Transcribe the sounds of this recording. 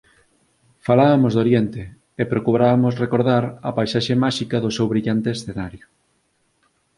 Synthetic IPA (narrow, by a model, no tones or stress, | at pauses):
falaβɐmozðoɾjent̪eː | pɾokuβɾaβamʊsrekoɾðaɾɐpajsaʃemaʃikɐðʊsewβɾiʎant̪eːsθenaɾjʊ